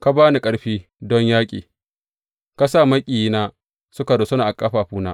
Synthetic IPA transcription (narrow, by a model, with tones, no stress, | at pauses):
ka˦baː˦ni˨kʼɐ˦ɽɸiː˦ | dɔ˦ɲjaː˦kʲʼḭː˨ | ka˦sa˦mɐ˦kʲʼiː˨ji˦naː˦ | sʊ˦ka˨do˨sʊ˦na˨ʔa˨kʼa˦ɸaː˨ɸuː˦na̰ː˦ʔ